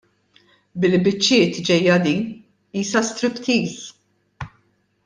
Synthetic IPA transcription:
bɪlbɪt͡ʃːɪːt̪d͡ʒɛjːɐd̪iːn | iːsɐst̪ɾɪpt̪ʰiːs

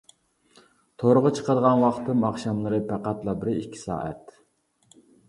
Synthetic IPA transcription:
t̪ʰoɾʊʁət͡ʃʰə̥qəd̪əʁɑnwɑχt̪ʰɨmɑχʃɑmlˠɨɾɨpʰæqɑt̪lˠɑbɪɾikʲʰːi̥sɑ̰ːʔɛ̰t̪

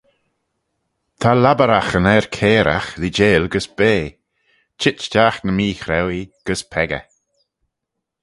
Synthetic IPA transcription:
t̪ʰalabəɾaxənɛɹkʰeːɾa̰xðid͡ʒeːlɡəsb̥eː | t͡ʃɪtt͡ʃdaxnəmiːxɾɛwiɡ̥əspʰɛɡə̰

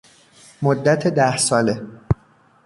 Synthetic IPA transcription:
mod̪ːæt̪ʰed̪æhsɒːle̞

